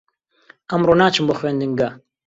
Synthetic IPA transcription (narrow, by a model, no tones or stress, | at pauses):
ɐmroːnaːt͡ʃɨmboxweːnd̪ɨŋɡa